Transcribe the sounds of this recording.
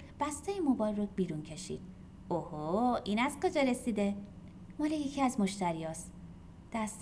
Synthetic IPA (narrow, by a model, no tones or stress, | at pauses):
b̥æst̪ɒjemobɒːlrobiːɾuncʰe̞ʃḭːd̪̥̚ | ohoiːnæz̥kʰod͡ʒɒɾe̞sid̪e̞ | mɒːlejecʰiæzmoʃt̪æɾijɒːs | d̪̥æst̪